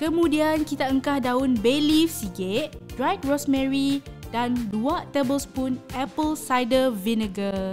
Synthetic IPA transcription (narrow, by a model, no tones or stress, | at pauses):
kəmũdiankit̪aəŋkahdaʊnbelifsiɡeʔdɾajk̚ɹɔsmɛ̃ɹidanduat̪ebəlspunʔɛpəlsajdəvinəɡə